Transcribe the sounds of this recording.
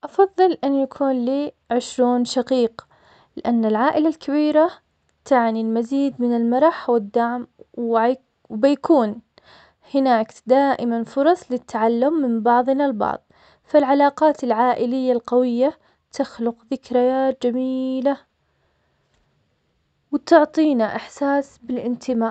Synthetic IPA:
ʔɑfɑðˤːɨlʔɪnːjakʰuːnliː | ʕɪʃɾuːnʃaqiːq | lɪʔanːalʕaːʔɪlalkaβiːɾa | t̪ʰaʕnilmaziːd̪mɪnɪlmɑɾˤɑħwɪd̪ːaʕmw | wbɪjakuːn | hɪnaːkd̪aːʔɪmanfʊɾˤɑsˤlɪt̪ʰːaʕalːʊmːɪmbɑʕðˤnalbɑ̰ʕðˤ | falʕalɑːqɑːt̪ɪlʕaːʔɪlɪjːalqɑwɪjːa | t̪axlʊqðɪkɾajaːt̪̚d͡ʒamiːla | wt̪ʊʕt̪ˤiːnaʔɪħsaːsbɪlʔɪnt̪ʰɪmaːʔ

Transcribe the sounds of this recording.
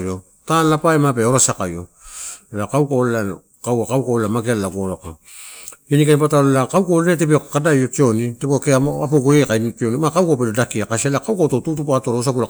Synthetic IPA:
jo | tanapaemapeo̞ɾasakajo | elakawkalela | kawakawkalelamaɡelalaɡoɾoka | inikenipataolelakawkolenetepokkadajotio̞nitepokeapoɡoekainpionimakawkapedodakiakaselakawkatotutupato̞ɾos̬apula

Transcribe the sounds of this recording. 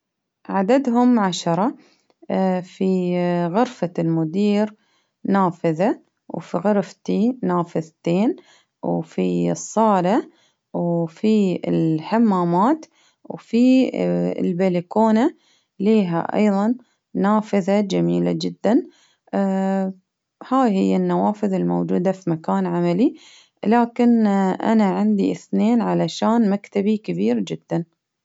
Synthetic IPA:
ʕad̪ad̪ɦʊmʕaʃɑɾˤɑ | fiɣʊɾfalmʊd̪iːɾ | naːfɪða | wfiɣʊɾft̪inaːfɪðt̪eːn | wfisˤːɑːla | wfiɪ̰lħamːaːmaːt̪ | wfḭ | lbelikoːna | liːɦa̰ʔɑ̰jðˤɑnː | aːfɪðad͡ʒamiːlad͡ʒɪd̪ːan | haːjhɪjːanːawaːfɪðɪlmo̰wd͡ʒuːd̪afimakaːnʕamali | laːkɪnʔa̰naʕɪnd̪ḭʔɪθneːnʕalaʃaːnmakt̪abikɪbiːɾd͡ʒɪd̪ːan

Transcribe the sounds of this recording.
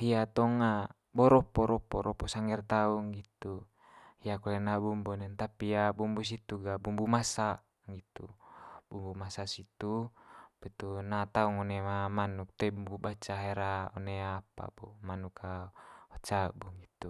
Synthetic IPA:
hiat̪ɔŋa | bɔɾɔpɔɾɔpɔɾɔpɔsaŋɛrt̪auŋɡit̪u | hiakɔlɛnabumbunɛnt̪apiabumbus̬it̪uɡabumbumasa | ŋɡit̪ṵbumbumasasit̪upit̪unat̪auŋɔnɛmamanuk̚t̪ɛbumbubat͡ʃaɦɛɾaɔneapa̰bɔmanukʰaɔt͡ʃabuŋɡit̪u

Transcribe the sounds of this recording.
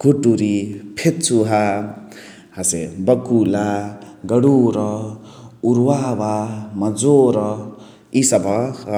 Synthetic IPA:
ɡʱuʈuɾipʰet̪t͡suɦa | hasebʌkulaɡʌɽuɾʌ | uɾwabamʌd͡zoɾʌ | isabʌ

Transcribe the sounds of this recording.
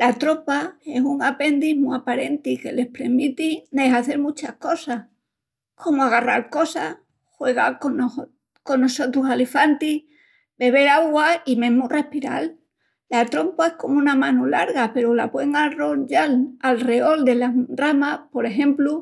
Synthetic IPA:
lat̪ɾo̞pae̞suŋape̞nd̪iɦmuapaɾe̞nt̪ike̞le̞hpɾe̞ɾmit̪ine̞saθe̞ɾmut͡ʃahko̞sah | kʰo̞moaɣ̞ara̰ɾko̞sa | xwe̞ɣ̞ako | ko̞nːo̞so̞t̪ɾusalefant̪i | be̞β̞e̞ɾaɣwaimẽ̞ɦmure̞hpiɾa̰lː | at̪ɾo̞mpae̞hko̞munamãnulaɾɣape̞ɾolapwe̞ŋaro̞ɲd͡ʒalalre̞o̞ld̪e̞laramapo̞ɾe̞xẽ̞mplu

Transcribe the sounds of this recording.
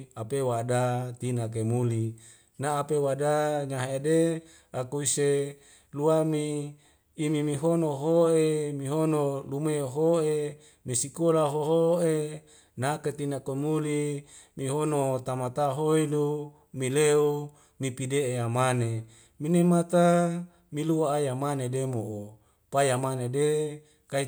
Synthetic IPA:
apewadat̪inak̬emuli | naːpewadaɲaɦaede | akuise | luamiː | mimiɦonoɦoemiɦonolumeɦoe | misikolaɦoɦoe | naket̪inakomulimiɦonot̪amat̪aɦoilu | mileu | mipideeamane | minemat̪a | miluaːjamanedemoʔo | pajamanede | kai

